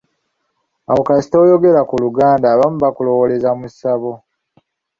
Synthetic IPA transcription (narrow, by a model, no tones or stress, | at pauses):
awokasi̥to̞ːjo̞ɡe̞ɾakuluɡaːndaːβamuβakulo̞wole̞zamusaβo̞